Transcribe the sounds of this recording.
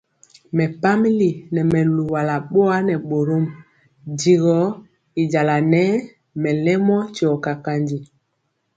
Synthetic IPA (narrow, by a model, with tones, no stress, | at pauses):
mɛ˨pa˦mi˦li˨nɛ˨mɛ˨lu˨wa˨la˨ɓo˦a˦nɛ˨ɓo˨ɾo˦m | d͡ʒi˨ɣɔ˨˦ | i˨d͡ʒa˨la˨nɛ˦ | mɛ˨lɛ˦mɔ˦t͡ʃɔ˨ka˨ka˦nd͡ʒi˨